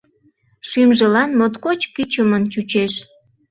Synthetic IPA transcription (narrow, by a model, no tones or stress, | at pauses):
ʃymʒəlɑnmot̪kot͡ɕkit͡ɕəmənt͡ɕut͡ɕeʃ